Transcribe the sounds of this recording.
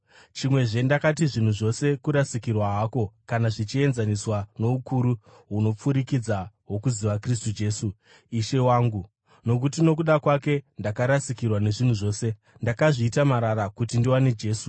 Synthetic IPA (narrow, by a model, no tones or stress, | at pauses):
t͡ʃimwe̞ʐe̞ndakatiʐin̤uʐo̞se̞kuɾasikirwaɦako̞kanaʐit͡ʃie̞nzaniswano̞ukuɾu | ɦuno̞p͡fuɾikid͡zaɦwo̞kuziʋakristud͡ʒe̞ːsu | iʃe̞waːŋɡu | no̞k̬utino̞k̬uɗakwake̞ndakaɾasikirwane̞ʐin̤uʐo̞ːse̞ | ndakaʐiːtamaɾaɾakutindiwaned͡ʒe̞ːsu